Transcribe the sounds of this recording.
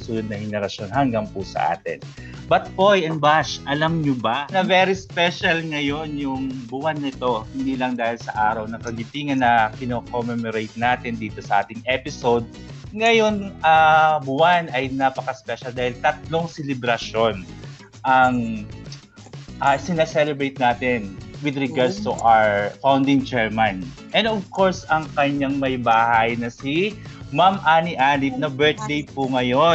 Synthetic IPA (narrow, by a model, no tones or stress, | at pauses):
sulod̪̚nɐŋhɛnɛɾɐʃo̞nɦɐŋɡaŋpʊsɐ̰ʔa̰ːt̪ɪ̰n | bɐt̪̚pojɛnbaʃʔɐlamɲʊbɐnɐvɛɾispɛʃɐlŋɐjo̞njʊŋbʊɐnːɪt̪o̞hɪnd̪iːlɐŋd̪aːhɪlsɐʔaːɾɐwnɐkɐɡɪt̪iŋɐnːɐkɪnokomɛmoɾejt̪̚naːt̪ɪnd̪iːt̪o̞sɐʔaːt̪ɪŋʔɛpɪsowd̪̚ | ŋɐjo̞nʔɐbʊanɐjnapɐkɐspɛʃɐld̪aːhɪlt̪ɐt̪̚lo̞ŋsɛlɪbɾɐʃo̞n | ʔɐŋ | ʔɐsɪnasɛlɛbɾejt̪̚naːt̪ɪnwɪd̪ɾɛɡaɹd̪st̪uʔaɹfawnd̪ɪŋt͡ʃɛɹmɐnʔɛ̃nd̪ovko̞ɹsɐŋkɐɲːaŋmɐjbaːhɐjnɐsimamʔaːniʔaːnɪp̚nɐbɛɹt̪̚d̪ejpʊŋɐjo